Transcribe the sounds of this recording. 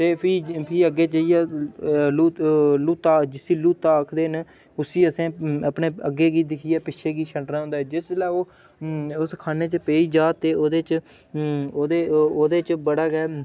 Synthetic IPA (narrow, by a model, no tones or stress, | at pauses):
t̪eːpʰiːpʰiːəɡeːt͡ʃəijaːluːluːt̪aːd͡ʒɪsiːluːt̪aːəkʰd̪eːn | ʊsiːəsẽːəpneːəɡːeːɡiːd̪ɪkʰiːɛːpɪʃʰeːɡiːʃʰəɳʈɾãːõnd̪aːɛːd͡ʒɪsd͡ʒlaːoː | ʊskʰaːneːt͡ʃəpeːiːd͡ʒaːt̪eːoːd̪eːt͡ʃ | oːd̪eːoːd̪eːt͡ʃbəɽaːɡɛː